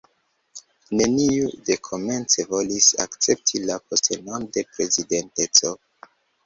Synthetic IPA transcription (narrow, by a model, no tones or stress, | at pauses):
ne̞niude̞kʰo̞me̞nt͡se̞vo̞lisa̰kt͡se̞p̚tʰilapostenonde̞pɾe̞zide̞nte̞t͡so̞